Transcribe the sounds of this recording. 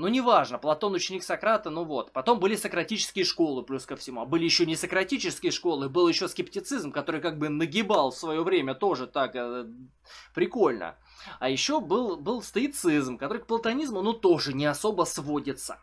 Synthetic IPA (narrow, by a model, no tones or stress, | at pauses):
nunʲɪvaʐnəplˠɐt̪o̞nʊt͡ɕɪnʲiksɐkɾat̪ənuvo̞t̪pɐt̪o̞mbɨlʲɪsəkɾɐtʲit͡ɕɪ̥skʲɪjəʂko̞lˠɨplʲuskəfsʲɪmuɐbɨlʲɪjɪɕːonʲɪsəkɾɐtʲit͡ɕɪskʲɪjəʂko̞lˠɨbɨlˠjɪɕːoskʲɪptʲɪt̪sɨzmkɐt̪o̞ɾɨjkaɡ̚bɨnəɡʲɪbalˠfsvɐjo̞vɾʲemʲət̪o̞ʐɨt̪ak | pɾʲɪko̞lʲnə̰ | ajɪɕːobɨlˠbɨlˠst̪əɪt̪sɨzmkɐt̪o̞ɾɨk̚plˠət̪ɐnʲizmʊnut̪o̞ʐɨnʲɪɐso̞bəsvo̞dʲɪt̪sə̥